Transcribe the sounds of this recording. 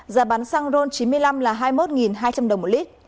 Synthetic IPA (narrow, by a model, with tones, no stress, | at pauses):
zaː˨˩ɓaː˨˦nsaː˧ŋzo˧nt͡ɕi˨˦nmɨ˧əjla˧mlaː˨˩ɦaː˧jmo˦˥t̚ŋi˨˩nɦaː˧jt͡ɕa˧mɗwmo˨˩li˦˥t̚